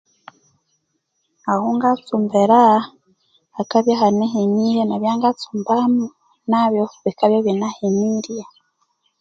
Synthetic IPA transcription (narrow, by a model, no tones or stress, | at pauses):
ahuŋɡat͡sumbeɾa | kaβjaɦaneɦeɲijenaβjaːŋɡat͡suːmbamu | naβjoβikaβjoβinaheniɾia